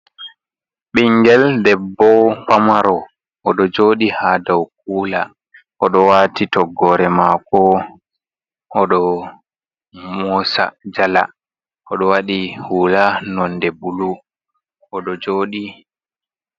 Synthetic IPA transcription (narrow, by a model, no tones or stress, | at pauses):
ɓiŋɡɛldɛbːɔfamaɾɔ | ʔɔɗɔd͡ʒoːɗihadawk̚uːla | ʔɔɗɔwaːtitɔɡːɔɾɛmakɔ | ʔɔɗɔ | mɔsa̰d͡ʒala̰ | ʔɔɗɔwaɗihuːlanɔndɛbulu | ʔɔɗɔd͡ʒoːɗi